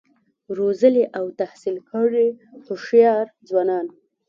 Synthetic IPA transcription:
ɾozəleʔawt̪ahsilkəɽehʊʃjɑɾd͡zwɑnɑn

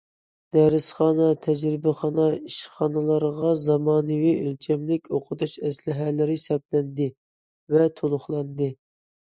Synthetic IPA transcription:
d̪̥ɛɾɪsχɑːnɑt̪ʰɛd͡ʒɾɪbɪχɑnɑiʃχɑːnɨlˠɑɾʁɑzɑmɑːnɨviølt͡ʃʰɛmlɪkʲʰoqʰət̪uʃɛslɪɦɛlɪɾɪsɛp̚lɛnd̪ɪ | vɛt̪ʰolˠʊχlˠɑnd̪ɨ

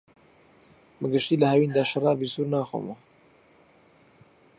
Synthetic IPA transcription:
mɨɡɨʃt̪iːləhɛwiːnd̪aʃɨrˤɑːbisuːɾnaːxo̰mu

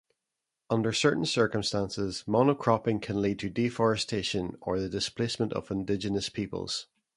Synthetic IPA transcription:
ʌ̃ndə˞sɜ˞ʔn̩sɜ˞kə̃mstãnsɪzmɔnəkʰɹ̥ɔpɪ̃ŋkʰə̃nlˠid̚tʰədifɔɹəstʰeʃə̃nə̰˞ðədɪspʰl̥ˠesmə̃nʔə̰vɪ̃ndɪd͡ʒənəspʰipə̰lˠz̥

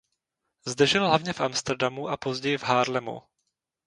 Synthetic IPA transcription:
zd̪ɛʒɪlɦlavɲɛfʔamst̪ɛɾdamuʔapo̞zɟɛjɪvɦaːɾlɛmo̰

